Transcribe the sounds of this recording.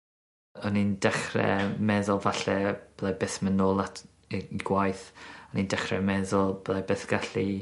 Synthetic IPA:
ɔnindɛχrɛ̰mɛðɔlˠvaɬɛb̥lˠabeːθmənoːlˠatʰ | iɡ̥wajθɔnindɛχɾɛ̰mɛðɔlˠblˠabeːθɡ̥aɬi

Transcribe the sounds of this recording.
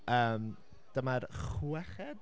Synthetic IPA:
əːm | d̥əmarχuɛχɛd̥

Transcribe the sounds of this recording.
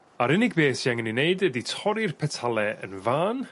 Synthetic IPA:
aɾɪnɪɡ̚beːsjaŋənineɨdəditʰɔɾirpʰɛtʰalˠɛʔə̰nvaːn

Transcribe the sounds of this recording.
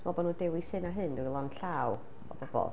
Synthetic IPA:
mɔbɔnuːdɪwisɨnaɦɨndɪwilˠɔnɬaːw | ɔ̰b̥ɔb̥ɔ̰

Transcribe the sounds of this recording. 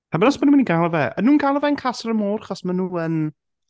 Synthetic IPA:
habənɔsmɔnuməniɡalˠɔvɛʔə̰nːuːnɡalˠɔvɛənkʰasəɾəmɔːrχɔsmanuːən

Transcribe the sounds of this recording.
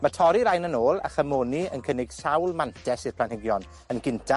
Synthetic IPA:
matʰɔɾiɾajnənoːlˠa̰χəmoːniənkʰənɪɡ̥sawlˠmantʰɛsirpʰlanhɪɡjɔn | ənɡɪntʰa

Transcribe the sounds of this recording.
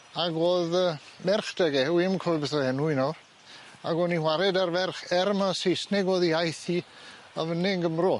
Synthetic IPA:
aɡoːðəmɛrχd̥ɛɡɛwɪmkʰɔɨbɛsəɛnujnɔr | aɡɔniwaɾɛdarvɛrχɛɾmasejsnɪɡoːðiajθi | avənɪŋɡəmrɔ

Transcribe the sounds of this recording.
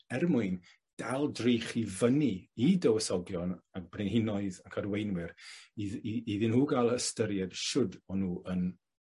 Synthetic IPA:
ɛrmʊɨn | d̥alˠdreχivəniidəwəsɔɡjɔnak̚b̥rɪnhɪnɔɨðakʰadwejnwɪriiðɪnhuːɡalˠəstəɾjɛd̥ʃʊdɔnuːən

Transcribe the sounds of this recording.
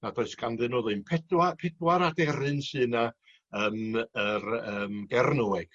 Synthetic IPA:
nadoɨsɡ̥anðɨnoːðɨnpʰɛdwapʰɛdwaɾadɛɾɨnsɨːna | əːmərəːmɡɛrnuɛɡ̥

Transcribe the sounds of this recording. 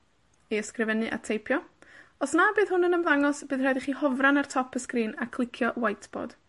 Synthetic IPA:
iəskrɪvɛnɨʔa̰tʰejpʰjɔɔsnaːbɨːð̥hʊnənəmðaŋɔsb̥ɨːðrajdiχiːhɔvranartʰɔpʰəskriːnakʰlˠɪkʰjɔwajtʰb̥ɔ̰ːd̥

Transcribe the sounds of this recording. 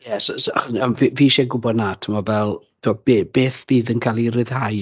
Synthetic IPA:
jɛsɔsa̰χɔsamviviːʃɛɡʊbɔdnatʰəmɔvɛlˠ | tʰuɔb̥eːb̥eːθb̥iːðənkʰalˠiɾɨð̥haj

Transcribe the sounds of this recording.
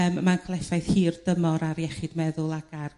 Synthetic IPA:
əmmankʰlˠɛfajθhiːrdəmɔɾaɾjɛχɪdmɛðʊlˠaɡ̥ar

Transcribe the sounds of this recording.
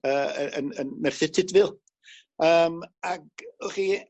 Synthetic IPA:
əːəənənmɛrθɪtʰɪdvɪlˠ | əːmaɡχiː

